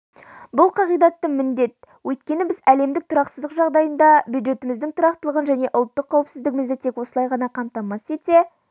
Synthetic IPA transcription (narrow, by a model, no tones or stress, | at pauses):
bʊlˠqʰɑʁijd̪ɑt̪ːəmɪnd̪e̞t̪̚wɵjt̪kʲe̞nɪbɪzæle̞md̪ɪk̚t̪ʰʊɾɑqsəzd̪əqʒɑʁd̪ɑjənd̪ɑbjud̪ʒe̞t̪ɪmɪzd̪ɪŋt̪ʰʊɾɑqt̪əlˠəʁənʒæne̞ʔʊlˠt̪ːəqʰːɑwəpsɪzd̪ɪɡʲɪmɪzd̪ɪt̪ʰe̞kwo̞səlˠɑjʁɑnɑqʰɑmt̪ɑmɑse̞t̪e̞